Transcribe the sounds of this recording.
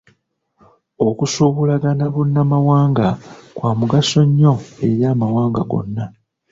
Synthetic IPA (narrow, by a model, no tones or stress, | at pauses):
o̞kusuβulaɡanaβunːamawaːŋɡakwaːmuɡaso̞ɲːo̞e̞ɾjaːmawaːŋɡaɡo̞̰nːa